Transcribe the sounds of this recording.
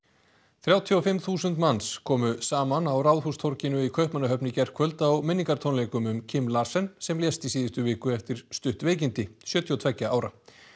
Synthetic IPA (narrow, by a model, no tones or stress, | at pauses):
θɾjaːwt̪ʰiɔfɪmθuːsʏnt̪manskʰɔːmʏsaːmanawrawðhust̪ʰɔɾcɪnʏikʰœɥhpmanːaɦœpnɪcɛr̥kʰœlt̪aɔɣmɪnːiŋkaɾ̥t̪ʰownlejkʏmʏmcʰɪmːlaːɾ̥sɛnsɛmljɛst̪isiːðɪst̪ʏvɪːkʏɛft̪ɪɾ̥st̪ʏht̪veːjc̬ɪnt̪ɪsjœːt̪ʰiɔt̪ʰvɛcːaaːwɾa